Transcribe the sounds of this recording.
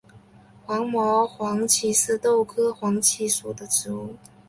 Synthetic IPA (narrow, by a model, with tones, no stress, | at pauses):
xwɑ˧˥ŋmɔ˧˥xwɑ˧˥ŋt͡ɕʰi˧˥sɹ̩˥˧t̪o˥˧ʊkʰɤ˥xwɑ˧˥ŋt͡ɕʰi˧˥su˨˩d̪ə˦ʈ͡ʂɻ̩˧˥u˥˩